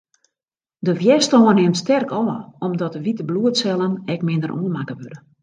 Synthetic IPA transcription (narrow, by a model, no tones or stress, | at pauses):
dəfjɛstɔːənɦɪmtstɛrkɔːəɔmdɔtəʋitəbluətsɛlˠənɛkmɪndərʔoənmakəʋødə